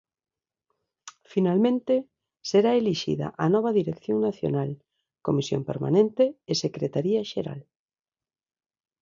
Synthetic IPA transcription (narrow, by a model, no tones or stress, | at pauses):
finalmẽnt̪e | seɾaeliʃḭða̰ʔanɔβ̞aðiɾekθjoŋnaθjo̰nal | komisjo̰mpeɾma̰nẽnt̪eːsekɾet̪aɾiaʃeɾa̰l